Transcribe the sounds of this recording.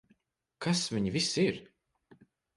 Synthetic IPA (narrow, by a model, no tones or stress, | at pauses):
kʰasviɲivisiɾ